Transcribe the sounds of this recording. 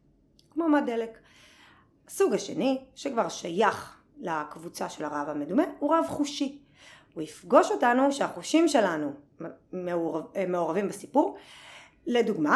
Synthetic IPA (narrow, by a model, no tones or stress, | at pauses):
kmomadelek | suɡhaʃe̞̰niʃekvaʁʃajaχ | lakvut͡saʃe̞laʁavamedumenuʁavχuʃi | uifɡo̞ʃo̞tanuʃeaχuʃimʃe̞lanu | memeoʁavimbasipuʁ | leduɡma